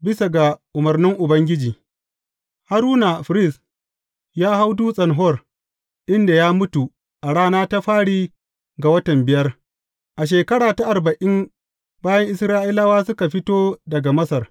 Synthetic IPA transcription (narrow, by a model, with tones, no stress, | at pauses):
bɪ˦sa˨ɡa˨ʔʊ˨mɐ˨rnɪ˦ŋʔʊ˨bɐ˦ŋɡʲɪ˦d͡ʒiː˨ | ha˦ɾuː˦na˨ɸɾɪ˦˨s | jaː˦ha˦wduː˦sʼɐ˨nɦɔ˦˨r | ʔɪ˦nda˨jaː˦mʊ˦tu˨ | ʔa˨ɽaː˦naː˦ta˦ɸaː˦ɽiː˦ | ɡa˨wɐ˦tɐ˨mbɪ˨jɐ˦r | ʔa˨ʃ̬eː˨kɐ˦ɽaː˨ta˦ʔa˨rbɐ˨ʔɪ˦m | baː˦jɐ˦ŋʔɪ˦sɾaː˦ʔɪ˦la˦waː˦sʊ˦ka˨ɸɪ˦toː˦dɐ˨ɡa˨mɐ˦sɐ˨r